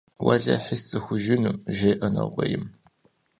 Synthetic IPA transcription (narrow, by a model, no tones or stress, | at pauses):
wɐɮɐħəst͡sɨxʷʊʒɪnumʒejʔɐnɐ̰ʁʷɐjɪm